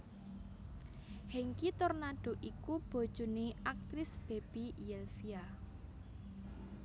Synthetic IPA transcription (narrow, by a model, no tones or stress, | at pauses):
hɛŋkit̪ɔrnaɖ̥o̤ʔikub̥o̤d̥ʒ̥oneʔak̚t̪ɾɪsb̥e̤b̥ijɛlfia